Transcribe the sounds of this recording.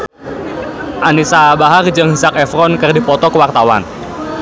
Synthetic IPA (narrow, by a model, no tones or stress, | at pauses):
ʔanisabaɦard͡ʒɨŋhəsak̚ɛfɾɔnkɨrdipɔt̪ɔkəwart̪awa̰n